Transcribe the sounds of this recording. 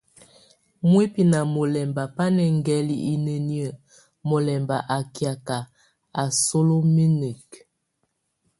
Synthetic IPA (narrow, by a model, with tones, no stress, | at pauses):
mwe˦pi˨na˨mo˨lɛ˨mba˨pa˦nɛ˨ŋ˦ɡɛ˦li˦ʔi˦nə˨ni˦ə˨ | mo˨lɛ˨mba˨ʔa˨kja˨ka˨ | a˨so˦lo˦mi˦nə˨k